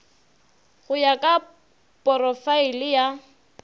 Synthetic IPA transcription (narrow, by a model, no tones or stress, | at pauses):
ɣʊjakʼa | pʼɔrɔfailɪja